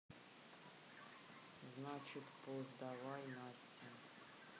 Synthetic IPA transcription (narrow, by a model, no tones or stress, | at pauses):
znat͡ʃɪt̪pozd̪avajnasʲtʲʰɪ